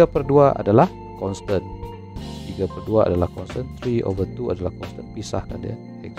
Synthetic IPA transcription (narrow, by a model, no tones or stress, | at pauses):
apərduaʔa̰dalah | kɔnst̪ən | t̪iɡapərduaa̰dalahkɔnst̪ənt̪ɾiʔo̰vət̪ua̰dalahkɔnst̪ənpisa̰hka̰ndḭa̰ | ak